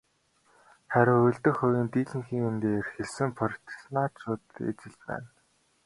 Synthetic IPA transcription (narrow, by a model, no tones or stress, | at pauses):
χæɾʲɪ̆ŋɵɮt̪ɘ̆χʊwʲiːnt̪iːɮɘ̆ŋxiːŋent̪eːerxɘ̆ɮsɘ̆mpʰɔr̆ʲʰt̪̆ʰsnaːt͡ɕʰʊːt̪ḛt͡ɕɪ̆ɮpæ̰ːn